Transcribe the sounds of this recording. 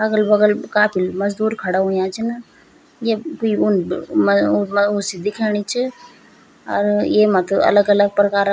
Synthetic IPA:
ɐɡəlbɐɡəlkaːpʰilmɐzd̪uːɾkʰɐɽaɦʊ̃jãːt͡ʃʰin | jekuiʊnmmʊsid̪ɪkʰeːɽ̃it͡ʃʰi | ɐ̰ɾjeːmãt̪ɐ̰ləɡɐləɡ̚pɾɐkaːɾ

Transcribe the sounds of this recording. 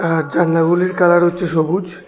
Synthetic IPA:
aɾd͡ʑanːaɡuliɾkalaɾɦotːɕʰeʃobud͡ʑ

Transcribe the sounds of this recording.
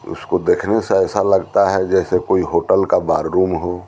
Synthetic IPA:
ʊ̰skod̪eːkʰneseɛːsalɐɡt̪aɦɛd͡ʒɛːsekoːiɦoːʈəlkabaːɾɾuːmɦo

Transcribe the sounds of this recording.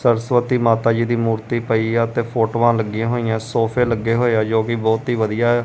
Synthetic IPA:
səɾsʋət̪iːmaːt̪aːd͡ʒiːd̪iːmuːɾt̪iːpəiːt̪eːpʰoːʈːʋãːləɡːjãːɦoːĩãːsoːpʰeːləɡːeːɦoːejaːd͡ʒoːkɪbɔːt̪ɦiːʋəd̪ijaːɛ

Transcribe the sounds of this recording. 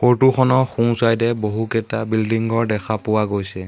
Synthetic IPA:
xoɹtuxʰɔnɔxũŋsajdɛboɦukɛtabildiŋɡɔɹdɛkʰapʊwaɡojsɛ

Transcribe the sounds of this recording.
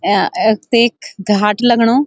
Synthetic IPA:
t̪eːkɡʱaːʈləɡɽ̃oː

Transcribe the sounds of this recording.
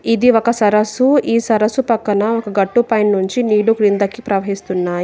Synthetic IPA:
id̪iokɐsɐɾɐsuiːsɐɾɐsupɐkːɐnɐokɐɡɐʈːupɐjnːuɲt͡ʃiniːɽukɾind̪ɐkːipɾɐʋɐɦist̪unːaːji

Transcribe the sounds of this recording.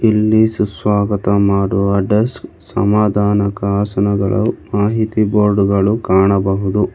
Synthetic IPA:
ilːisusʋaːɡɐt̪ɐmaːɽuɐɖɐsk | sɐ̰maːd̪ʱaːnɐkɐaːsɐnɐɡɐ̰ɭɐ̰maːɦit̪iboːɾɖɡɐɭukaːɳɐbɐɦud̪u

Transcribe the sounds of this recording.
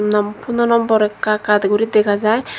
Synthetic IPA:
nɔmpunɔnɔmbɔɾɛkːakad̪ɡuɾit̪̚d̪ɛkʰazaj

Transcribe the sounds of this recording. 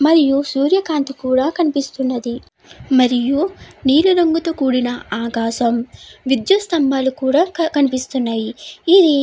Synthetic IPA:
mɐɾijusuːɾjɐkaːnt̪ikuːɽaːkɐnipist̪unːɐd̪i | mɐɾijuniːluɾɐŋɡut̪ɐkuːɽinɐaːkaːʃɐmʋid̪jɐst̪ɐmbaːlukuːɽaːkɐnipist̪unːaːjiːd̪i

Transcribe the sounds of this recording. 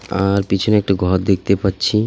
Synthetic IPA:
aɾpit͡ɕʰoneɛk̚ʈaɡʱɔɾd̪ek̚ʰt̪epatːɕʰi

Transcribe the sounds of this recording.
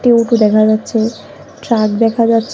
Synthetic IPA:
ʈioʈud̪ɛkʰad͡ʑatːɕʰe | ʈɾak̚d̪ɛkʰad͡ʑatːɕʰ

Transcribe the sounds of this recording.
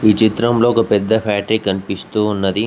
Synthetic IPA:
ʋiːt͡ʃit̪ɾɐmloːkɐpɛd̪ːɐpʰaːʈɾikːɐnpist̪uːunːɐd̪i

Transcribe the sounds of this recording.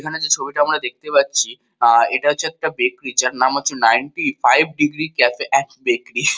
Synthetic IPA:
ekʰaned͡ʑet͡ɕʰobiʈaamɾad̪ek̚t̪epatːɕʰi | eʈaɦoːeɛk̚ʈabekɾid͡ʑaɾnamaːt͡ʃʰenajɳʈifajbʱɖiɡɾikɛfeʔɛkbekɾi

